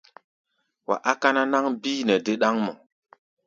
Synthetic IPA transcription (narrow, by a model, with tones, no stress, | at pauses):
wa̰˨ʔa˦ka˦na˦na˦ŋbiː˦nɛ˨de˦ɗa˦ŋmɔ̰˨